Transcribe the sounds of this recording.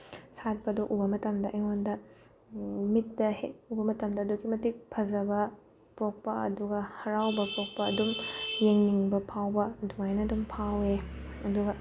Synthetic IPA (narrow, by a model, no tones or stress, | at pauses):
sat̚pɐduʔubɐmɐtɐmdɐʔɐjŋondɐ | mit̚dɐhḛt̚ubɐmɐtɐmdɐːduɡimɐtik̚pʰɐzɐbɐ | pok̚pɐɐ̰duɡɐhɐɾawbɐpok̚pɐɐdumjeŋniŋbɐpʰawbɐduajnɐdumpʰaweɐduɡɐ